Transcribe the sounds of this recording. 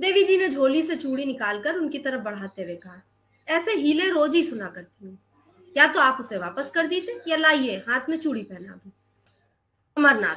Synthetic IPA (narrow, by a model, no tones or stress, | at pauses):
d̪eːʋid͡ʒiːned͡ʒʱoːliset͡ʃuːɽinɪkaːlkəɾʊnkit̪ɐɾəfbɐɽ̤ɦaːt̪ewekɐɦa | ɛːseɦiːleɾoːd͡ʒisʊnakɐɾt̪iɦẽː | jat̪oaːpʊseʋaːpəskɐɾd̪iːd͡ʒieːjalaːieɦãːt̪ʰmẽt͡ʃuːɽipɛɦna̰d̪õː | ɐməɾna̰ː